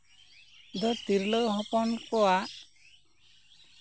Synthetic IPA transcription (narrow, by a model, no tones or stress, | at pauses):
d̪ɔt̪iɾləwɦɔpɔnkɔaʔ